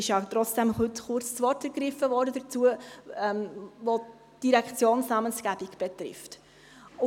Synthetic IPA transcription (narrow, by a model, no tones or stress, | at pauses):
ɪʃjɑt̪ɾɔt͡sd̥ɛmhʏtχʊɾt͡ssʋɔrtəɾɡɾɪfəvɔːɾdədət͡suəɛmʋo | d̥iɾɛkt͡sjoːnsnɑmənsɡ̥æb̥ikb̥ɛtrɪ̰ft